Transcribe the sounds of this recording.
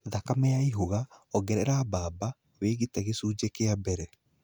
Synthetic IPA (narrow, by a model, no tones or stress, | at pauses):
ðakamɛjaiɦoɣaɔɡɛɾɛɾabaːba | weːɣitɛɣesuːd͡ʑekeabɛɾɛ